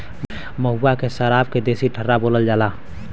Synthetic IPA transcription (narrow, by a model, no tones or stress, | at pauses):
məɦuːakesəɾaːb̚ked̪eːsiʈʰəɾːaboːləld͡ʒaːlaː